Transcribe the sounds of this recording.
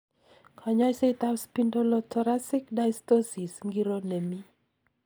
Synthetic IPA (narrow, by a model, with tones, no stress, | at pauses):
kʰa˨ɲɔ˦jse˦t̪a˦wspindo˦lo˦tʰɔ˨ɾasɪ˦kda˦jst̪o˦si˨sŋɡi˦ɾo˦ne˨mi˦